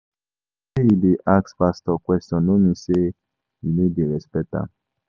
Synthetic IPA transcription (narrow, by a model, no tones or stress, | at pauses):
eideʔakspast̪ɔkwɛstjɔ̃nomĩse | iledeɾɛspɛta̰